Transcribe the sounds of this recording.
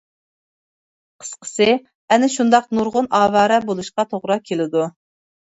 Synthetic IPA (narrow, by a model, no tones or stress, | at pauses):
qʰə̥sqʰə̥sɪ | ɛnɪʃund̪ɑqnuɾʁʊnɑːvɑːɾɛbolˠuʃqɑt̪ʰoʁɾɑkʲʰelɪd̪u